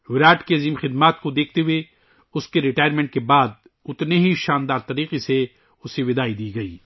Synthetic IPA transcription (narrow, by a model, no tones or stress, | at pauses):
ʋɪɾaːʈkeɐziːmxɪd̪maːt̪kod̪eːkʰt̪eɦʊe | ʊskeɾɪʈaːjɾmẽːɳʈ̚kebaːd̪̚ | ʊt̪neɦiʃaːnd̪aːɾt̪ɐɾiːqese | ʊseʋɪd̪aːid̪iːɡɐḭː